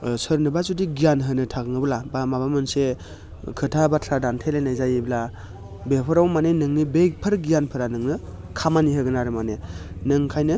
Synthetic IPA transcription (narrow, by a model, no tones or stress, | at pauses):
sɯɾnɯbazudiɡijanɦɯnɯtʰaɡɯŋɯbɯlabamabamɯnse | kʰɯtʰabatʰɾadantʰelejnajzajibla | bepʰɯɾawmanenɯŋnibepʰɯɾɡijanpʰɯɾanɯŋnɯ | kʰamaniɦɯɡɯnaɾɯmanenɯŋkʰajnɯ